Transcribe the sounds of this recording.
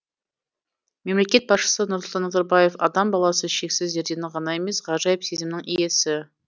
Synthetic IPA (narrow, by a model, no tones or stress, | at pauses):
me̞mle̞kʲe̞t̪̚bɑsʃə̥sənʊɾslˠt̪ɑnəzɑɾbɑje̞fɑd̪ɑmbɑlˠɑsəʃe̞ksɪzʒe̞ɾd̪e̞nɪʁɑnɑe̞me̞sʁɑʒɑjəpsezʲɪmnɪŋije̞sɪ